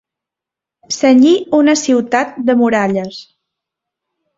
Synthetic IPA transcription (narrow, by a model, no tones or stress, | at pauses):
səɲiunəsiwt̪at̪̚d̪əmuɾaʎəs